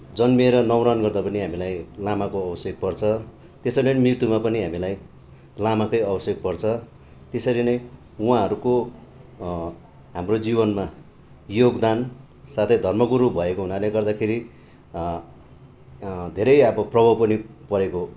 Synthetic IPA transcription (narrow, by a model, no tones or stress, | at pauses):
d͡zʌnmeɾʌnʌwɾʌnɡʌrd̪apʌniɦamilajlamakoʌbʌsjek̚pʌrt͡sʰʌ | t̪esʌnʌmirt̪umapʌniɦamilaj | lamakʌjʌbʌsjek̚pʌrt͡sʰʌ | t̪esʌɾinʌj | uɦãɦʌɾuko | ɦamrod͡zibʌnma | joɡd̪an | sat̪ʰʌjd̪ʱʌrmʌɡuɾubʱʌekoɦunaleɡʌrd̪akʰeɾi | d̪ʱeɾʌjʌbʌprʌbʱʌpʌnipʌɾeko